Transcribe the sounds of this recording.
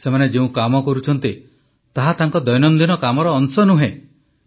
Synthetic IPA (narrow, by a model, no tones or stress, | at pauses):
semaned͡ʒeũkamɔkɔɾut͡ʃʰɔnt̪i | t̪aɦat̪aŋkɔd̪ɔjnɔnd̪inɔkamɔɾɔːnsɔnuɦẽ